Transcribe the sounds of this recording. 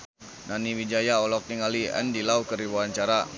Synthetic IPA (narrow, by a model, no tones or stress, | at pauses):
naniwid͡ʒajaɔlɔk̚niŋaliɛ̰ndilaukəɾibuaɲt͡ʃaɾa